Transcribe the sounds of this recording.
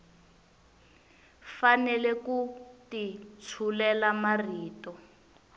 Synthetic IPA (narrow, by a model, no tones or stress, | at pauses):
fanɛlɛkutit͡sʰulɛlamariːtɔ